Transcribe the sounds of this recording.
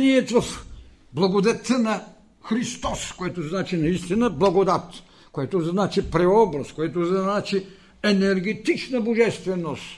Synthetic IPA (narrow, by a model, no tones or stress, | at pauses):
niɛt̪vɐf | blˠɐɡod̪ɛt̪ənɐ | xɾist̪ɔskoɛt̪oznat͡ʃinɐist̪inɐblˠɐɡod̪at̪ | koɛt̪oznat͡ʃipɾɛɔbɾɐskojɛt̪oznat͡ʃi | ɛnɛɾɡɛt̪it͡ʃnɐboʒɛst̪vɛnost̪